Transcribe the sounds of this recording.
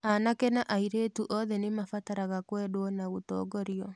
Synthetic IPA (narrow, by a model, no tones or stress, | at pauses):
anakɛnaʔaiɾeːtuʔɔðɛnemafataɾaɣakwɛdwɔnaɣotɔ̰ːɡɔɾiɔ